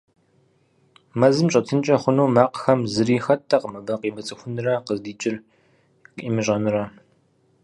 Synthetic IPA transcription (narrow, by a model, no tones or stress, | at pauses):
mɐzɨmɕʼɐtʰɨnt͡ʃʼɐχʷʊnowmaːqxɐmzɨriːxɐtʰːɐqəmɐbɐqiːmɐt͡sʼɨxʷʊnɨrɐqəzdiːt͡ʃʼɪr | qʼiːmɨɕʼɐnɨrɐ